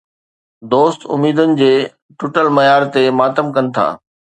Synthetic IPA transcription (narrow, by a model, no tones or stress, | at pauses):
d̪oːst̪ʊ̰miːd̪ʊnɪ̆d͡ʑeː | ʈʊʈəlmɐjaːɾt̪emaːt̪əmkɐnɪ̆t̪ʰa̰ː